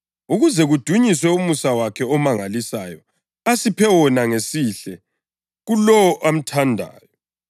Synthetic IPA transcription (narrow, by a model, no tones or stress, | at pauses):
uɣuzɛɣud̥ʱuɲiswɛumusawakʰɛɔmaŋalisa̰jɔ | asipʰɛwɔnaŋesiɬɛ | ɣulɔwɔʔam̩tʰandʱa̰ːjɔ